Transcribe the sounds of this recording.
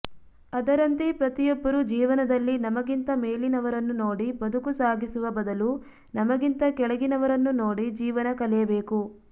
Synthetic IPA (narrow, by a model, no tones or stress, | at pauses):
ɐd̪ɐɾɐnt̪ipɾɐt̪ijɔbːɐɾud͡ʒiːʋɐnɐd̪ɐlːinɐmɐɡint̪ɐmeːlinɐʋɐɾɐnːuno̞ːɽibɐd̪ukusaːɡisuʋɐbɐd̪ɐlu | nɐmɐɡint̪ɐkɛɭɐɡinɐʋɐɾɐnːunoːɽid͡ʒiːʋɐnɐkɐlɛjɐbeːku